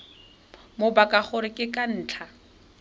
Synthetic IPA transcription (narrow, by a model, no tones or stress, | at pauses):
mobakʼaχʊɾɪkʼɪkʼan̩ːt͡ɬʰa